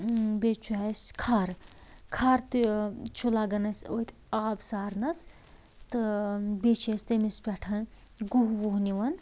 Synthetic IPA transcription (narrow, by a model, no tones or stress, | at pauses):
bet͡ʃʰuaskʰaɾ | kʰaɾt̪ɨt͡ʃʰulaːɡɐnɐsot̪ʰʲ | aːbsaːɾnɐt͡sʰ | t̪ɨbet͡ʃʰest̪emispʲɛʈʰɐn | ɡuɦʋuɦniʋɐn